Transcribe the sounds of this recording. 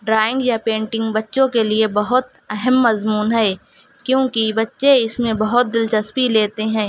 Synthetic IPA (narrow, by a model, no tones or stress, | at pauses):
ɖɾaːɪ̃ŋɡjapẽːɳʈɪ̃ŋɡbɐtːʃõkeliebɐɦʊt̪ | ɛɦɛmːɐzmuːnɦɛː | kjõːkibɐtːʃeɪsmẽbɐɦʊt̪̚d̪ɪlt͡ʃɐspileːt̪eɦɛ̃ː